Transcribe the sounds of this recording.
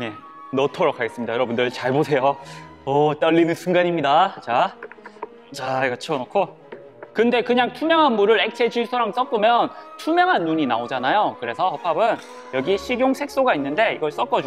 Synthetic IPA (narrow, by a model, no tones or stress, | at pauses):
je | nʌtʰoɾokʰaɡe̞s͈ɯmɲidajʌɾʌbundɯɭt͡ɕaɭbosʰe̞jo | ʌt͈ʌɭːinɯnsʰuŋɡaɲimɲidat͡ɕa | t͡ɕaɡɯt͡ɕʰonokʰo | kɯnde̞kɯɲaŋtʰumjʌŋɦanmuɾɯɾe̞k̚t͡ɕʰe̞d͡ʑisʰoɾaŋs͈ʌkp͈omjʌntʰumjʌŋɦanːuɲinaod͡ʑanajokɯɾe̞sʰʌʌpʰabɯn | jʌɡiɕʰiɡjoŋsʰe̞k̚s͈oɡainːɯnde̞iɡʌɭs͈ʌk͈ʌd͡ʑu